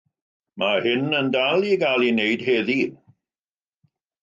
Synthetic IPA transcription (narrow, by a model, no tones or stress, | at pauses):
mʔahɪnəndalˠiɡalˠinejd̥heːði